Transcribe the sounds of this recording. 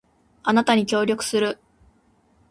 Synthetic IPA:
anat̪aɲ̟ikʲo̞ːɾʲo̞kɯ̥sɨɾɯ̟

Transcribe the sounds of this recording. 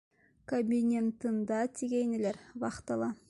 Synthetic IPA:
kobʲinʲent̪ənd̪ɑt̪ʰiɡʲejnɪleɾbɑqt̪ɑlˠɑ

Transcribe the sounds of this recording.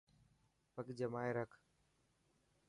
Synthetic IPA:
pəkd͡ʒəmaːeːɾəkʰ

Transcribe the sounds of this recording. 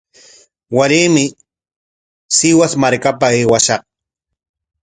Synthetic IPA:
waɾiːmɪ | sɪwasmaɾkapaeːwaʃɑχ

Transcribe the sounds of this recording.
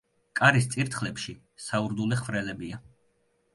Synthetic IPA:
kʼaɾist̪sʼiɾt̪ʰχlɛpʃi | sauɾd̪ulɛχvɾɛlɛbia

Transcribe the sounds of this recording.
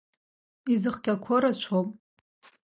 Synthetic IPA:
izɨχɡʲʼakʷʰoɾat͡ʃʷʰopʼ

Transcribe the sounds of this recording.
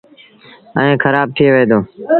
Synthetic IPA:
ə̃ẽːkʰəɾaːb̚t̪ʰɪeːʋeːd̪oː

